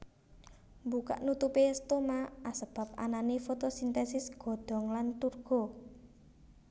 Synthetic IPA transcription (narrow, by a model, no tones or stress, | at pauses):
mbuka̰ʔnut̪upest̪omaʔasəb̥a̤p̚a̰nanefot̪osint̪ɛsɪsɡ̥ɔ̤ɖ̪̥ɔ̤ŋlant̪urɡ̥ɔ̤